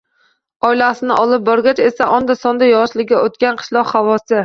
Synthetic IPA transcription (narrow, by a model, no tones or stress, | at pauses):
ɒɪlasɪnɪʔɒlˠɪp̚bɒɾɡʲat͡ʃe̞saʔɒnd̪asɒnd̪ajɒʃlɪɡʲaʔot̪̚kʲanqʰɨ̥ʃlˠɒqhavɒsɪ